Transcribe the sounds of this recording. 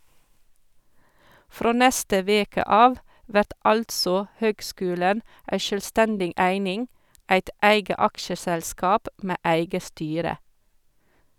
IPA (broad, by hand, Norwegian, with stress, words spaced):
ˈfɾoː ˈnɛstə ˈʋeːkə ˈɑːʋ ˈʋæʈ ˈɑltsɔ ˈhøːɡˌskʉːlən ˈʔæɪ ʃœlˈstændɪ ˈæɪnɪŋ ˈʔæɪt ˈæɪɡə ˈɑkʃəsɛlˌskɑːp ˈmeː ˈæɪɡə ˈstyːɾə